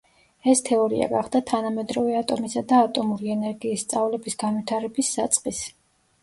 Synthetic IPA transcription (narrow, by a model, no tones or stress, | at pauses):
ɛst̪ʰɛɔɾḭa̰ɡaχd̪at̪ʰanamɛd̪ɾɔvɛat̪ʼɔmisad̪aːt̪ʼɔmuɾiɛnɛɾɡiːsːt̪sʼavlɛbisɡanwit̪ʰaɾɛbisːat̪sʼqʼis